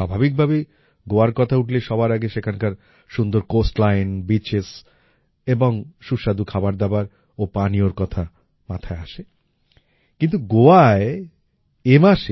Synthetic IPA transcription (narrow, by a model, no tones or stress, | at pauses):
abʱabik̚bʱabe | ɡoaɾkɔt̪ʰauʈʰleʃɔbaɾaɡeʃekʰankaɾ | ʃund̪oɾkosʈlajnbit͡ɕes | eboŋʃuʃad̪ukʰabaɾd̪abaɾ | opanioɾkɔt̪ʰa | mat̪ʰaeaʃe | kint̪uɡoae | emaʃe